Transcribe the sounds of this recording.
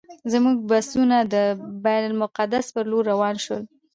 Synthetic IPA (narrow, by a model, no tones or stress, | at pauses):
zmuɡ̚basunad̪əbajnalmʊqad̪aspəɾloɾːawɑnʃwə̰l